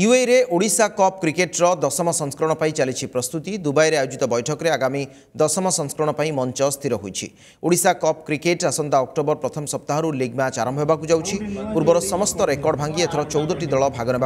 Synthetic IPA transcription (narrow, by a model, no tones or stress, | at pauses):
juejɾeʔoɽisakɔp̚kɾikeʈɾɔd̪ɔsɔmɔsɔŋskɾɔɽ̃ɔpaĩt͡ʃalit͡ʃʰipɾɔst̪ut̪id̪ubajɾeajod͡ʒit̪ɔbɔjʈʰɔkɔɾeaɡami | d̪ɔsɔmɔsɔŋskɾɔɽ̃ɔpaĩmɔnt͡ʃɔst̪ʰiɾɔɦojt͡ʃʰḭ | oɽisakɔpkɾikeʈasɔnt̪aɔk̚ʈobɔɾpɾɔt̪ʰɔmɔsɔp̚t̪aɦɔɾuliɡmat͡ʃaɾɔmbʱɦebakud͡ʒawt͡ʃʰipuɾbɔɾɔsɔmɔst̪ɔɾekɔɾɖbʱaŋɡiet̪ʰɔɾɔt͡ʃɔwd̪ɔʈid̪ɔɭɔbʱaɡɔneba